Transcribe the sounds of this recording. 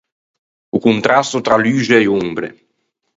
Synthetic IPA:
ukunt̪ɾast̪ot̪ɾalyːʒeːumbɾḛ

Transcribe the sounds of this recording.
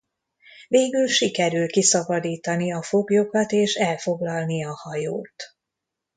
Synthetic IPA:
veːɡylʃikɛɾylkisɒbɒd̪iːt̪ɒniɒfo̞ɡjo̞kɒt̪eːʃɛlfo̞ɡlɒlniɒhɒjoːt̪

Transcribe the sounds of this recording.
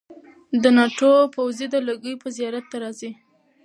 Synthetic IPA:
d̪ənɑʈopawzid̪ələɡəjpəzijɑɾat̪ːaɾɑzi

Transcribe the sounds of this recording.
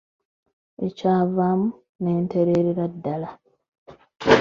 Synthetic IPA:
e̞caːvaːmu | ne̞ːnteɾeːɾiɾadːala

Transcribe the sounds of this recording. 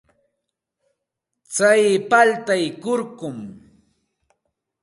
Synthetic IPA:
t͡sajpalt̪ajkʊɾkʊm

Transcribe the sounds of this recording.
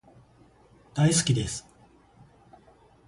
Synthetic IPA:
d̪̥aisɨ̥kʲid̪e̞sɨ̥

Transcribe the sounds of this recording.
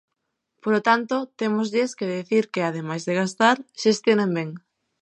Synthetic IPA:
polot̪ant̪ot̪emozʎeskeðiθiɾkeaðemajzðeɣast̪aɾʃest̪jonembeŋ

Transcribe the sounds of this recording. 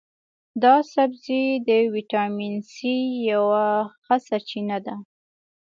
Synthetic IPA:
d̪ɑsabzid̪əwiʈɑminsijawaxəsaɾt͡ʃinad̪a

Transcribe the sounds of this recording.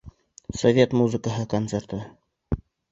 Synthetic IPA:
sovʲe̞t̪muzəkəɦɤkont̪seɾt̪ɤ

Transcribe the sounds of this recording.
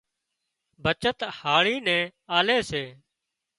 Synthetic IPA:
bʱət͡ʃət̪haːɭiːnɛ̃ːaːleːseː

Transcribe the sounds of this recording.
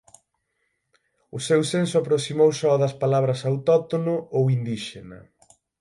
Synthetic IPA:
ʊsewsensʊapɾosimowsɔðɐspalaβɾɐsawt̪ɔt̪onʊowind̪iʃenɐ̰

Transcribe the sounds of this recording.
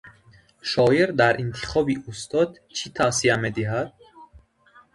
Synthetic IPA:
ʃɒːjeɾd̪æɾʔint̪ʰi̥χɒbiʔust̪ʰɒd̪ | t͡ʃʰit̪ʰasiæmed̪iɦæd̪̥̚

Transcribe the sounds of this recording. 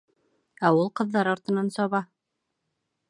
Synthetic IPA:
æulˠqɤ̆ðːɑɾɒɾt̪ɤ̆nɑnsɒβɑ

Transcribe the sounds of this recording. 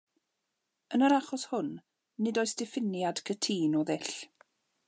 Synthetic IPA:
ənəɾaχɔshʊnː | ɪdɔjsd̥ɪfɪnjad̥kʰətʰiːnɔðɪɬ

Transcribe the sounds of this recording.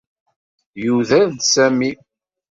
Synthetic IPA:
juðæðd̪sæmi

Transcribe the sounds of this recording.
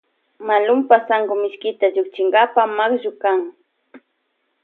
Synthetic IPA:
malʊmpasaŋɡomɪʃkɪt̪aʎʊkt͡ʃɪŋɡapamaχʒʊkaŋ

